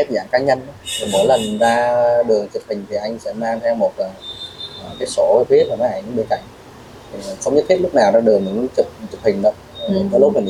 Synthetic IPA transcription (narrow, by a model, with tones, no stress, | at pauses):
e˦˥zaː˧˩ŋkaː˧ɲə˧nɗɔ˨˦t̪i˨˩mə˨˦jlə˨˩nzaː˧ɗɨ˨˩ə˩t͡ɕɨ˨˩p̚hï˨˩ŋ̟t̪ʰi˨˩ʔa˧jŋ̟sɛ̰˧˥maː˧ŋt̪ʰɛ˧wmo˨˩t̚aː˨˩ʔkaː˨˦jso˧˦˧jt̪ʰwe˦˥maː˨˩nɔ˨˧˦ʔa˨˧˩jɲɨ˧˦ɓe˧˦nka̰˧˨jŋ̟ | t̪ʰi˨˩˨xɔ˧wŋ͡mɲə˦˥t̪̚ʰːlʊ˥k͡p̚naː˨˩wzaː˧ɗɨ˨˩ə˩ɲɨ̰˧˦˧t͡ɕɨ˨˩p̚t͡ɕɨ˨˩p̚hï˨˩ŋ̟ɗo˨˦˨ | i˨˦kɔ˨˦lʊ˦˥ma˨˩i˨˧˦